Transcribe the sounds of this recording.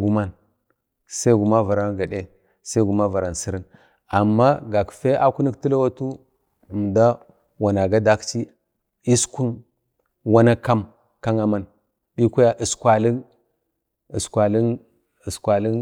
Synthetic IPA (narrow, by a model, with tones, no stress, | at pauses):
ɡu˨ma˦n | sa˦i˦ɡu˨ma˦va˨ɾa˦nɡa˨ɗe˦ | sa˦ɡu˨ma˦va˨ɾa˨nsi˦ɾi˦n | a˨mːa˦ɡa˨kfe˦a˦ku˦ni˦kti˦la˦wa˦tu˦˨ | m˨da˦ | wa˨na˨ɡa˦da˦kt͡ʃi˦ | i˦sku˦n | wa˦na˦ka˦m | ka˦ŋa˨ma˦˨n | ɗi˦kʷu˦ja˦ʔi˨skʷa˨li˦ | i˨skʷa˨li˦n | i˨skʷa˨li˦n